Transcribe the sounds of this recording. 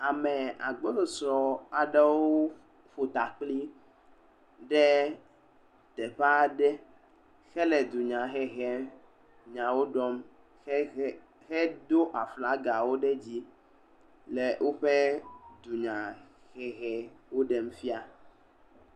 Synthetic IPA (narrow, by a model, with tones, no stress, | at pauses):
a˨me˨a̰˨ɡ͡bo˦lo˨sɾɔ˨a˨ɖe˦woo˦ | ɸo˨t̪a˨k͡pli˦ | ɖɛ˦ | t̪ɛ˨ɸa˦ɖɛ˦ | xɛ˦lɛ˨d̪u˨ɲã˨xɛ˦˨ɣɛ˨˦ | ɲã˨wo˦ɖɔ˦m˦ | xɛ˦d̪o˦ʔa˨fla˨˦ɡa˨wo˦ɖe˦d͡ʑi˦ | le˨wʔo˦ɸe˦d̪u˨ɲã˨ | xɛ˨ɣɛ˨wo˦ɖe˨m̩˦fi˦a˦